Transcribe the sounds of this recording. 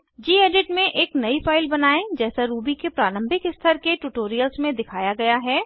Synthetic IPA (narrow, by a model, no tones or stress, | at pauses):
d͡ʒiːeːɖɪʈmẽʔeːknɐifaːɪlbɐnaːẽd͡ʒɛːsaɾuːbikepɾaːlə̃mbʱɪkɪst̪ʰəɾkeʈuːʈoːɾijəlsmẽd̪ɪkʰaːjaɡɐjaɦɛː